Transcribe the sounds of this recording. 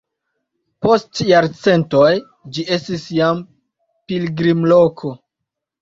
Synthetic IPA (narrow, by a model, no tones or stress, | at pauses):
po̞stjaɾt͡se̞nto̞j | d͡ʒiʔe̞stisjam | pilɡɾimlo̞kʰo